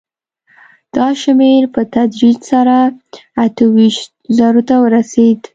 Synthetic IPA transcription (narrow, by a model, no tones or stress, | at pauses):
d̪̥ɑʃmeɾpət̪ad̪ɾid͡ʒsaɾaat̪əwiʃt̪zaɾot̪awəɾased̪